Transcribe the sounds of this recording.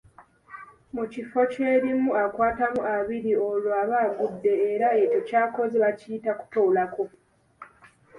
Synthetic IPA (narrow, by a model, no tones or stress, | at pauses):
mucifo̞ce̞ːɾimuakwaːtamuʔaβiɾio̞loaβaːɡudːe̞ːɾae̞to̞caːko̞ziβaciitaku̥toulako̞